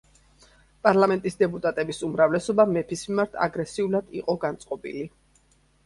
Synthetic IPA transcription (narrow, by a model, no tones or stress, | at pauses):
pʼaɾlˠamɛnt̪ʼisd̪ɛpʼut̪ʼat̪ʼɛbisumɾavlɛsɔbamɛpʰismimaɾt̪ʰa̰ɡɾɛsiulad̪̥iqʼɔɡant̪sʼqʼɔbḭli